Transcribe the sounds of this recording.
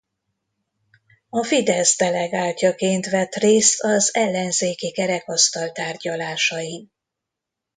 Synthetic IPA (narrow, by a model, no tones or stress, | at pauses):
ɒfid̪ɛzd̪ɛlɛɡaːlcɒkeːnt̪ʋɛt̪reːst̪ɒzɛlːɛnzeːkikɛɾɛkɒst̪ɒlt̪aːrɟɒlaːʃɒji